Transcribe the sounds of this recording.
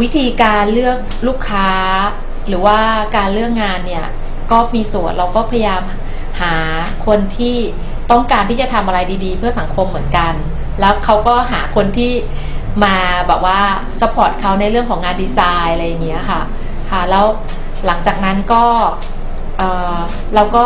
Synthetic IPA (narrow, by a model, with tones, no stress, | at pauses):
wi˦˥t̪ʰiː˧kaː˧nlɯ˥˩ək̚luː˥˩kʰːaː˦˥ | ɾɯː˩˦waː˥˩kaː˧nlɯ˥˩əŋːaː˧nːi˥˩ɐ | kɔː˥˩miː˧su˨˩ənɾʔa˧wkɔː˥˩pʰa˧ja˧jaː˧m | haː˩˦ | kʰo˧nt̪ʰiː˥˩ | t̪ɔ˥˩ŋkaː˧nt̪ʰiː˥˩t͡ɕa˨˩t̪ʰa˧mʔa˧ɾa˧jdiː˧diː˧pʰɯ˥˩ɐsa˩˦ŋkʰo˧mːɯ˩˦ənka˧n | lɛː˦˥wkʰa˦˥wkɔː˥˩ɦaː˩˦kʰo˧nt̪ʰiː˥˩ | maː˧bɛː˨˩p̚waː˥˩ | sa˧˦pʰɔː˨˩t̪̚kʰa˦˥wna˧jɾɯ˥˩əŋkʰɔː˩˦ŋːaː˧ndiː˧saː˧jlɾa˧jːa˨˩ŋːi˦˥kʰa˥˩ | kʰa˥˩lɛː˦˥w | la˩˦ŋt͡ɕaː˨˩k̚na˦˥nkɔː˥˩ | ʔɤː˨˩ | ɾa˧wkɔː˥˩